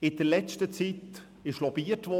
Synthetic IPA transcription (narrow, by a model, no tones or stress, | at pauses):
ɪd̥əɾlɛt͡stət͡sit | ɪʃlɔb̥iətʋɔ